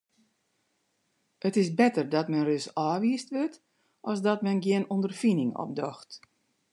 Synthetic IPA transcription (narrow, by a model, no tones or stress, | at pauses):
ətɪsbɛtərdɔtmɛnrøsaːʋiəstʋøt | ʔɔsdɔtmɛnɡjɪənondərfinɪŋɔ̰p̚dɔxt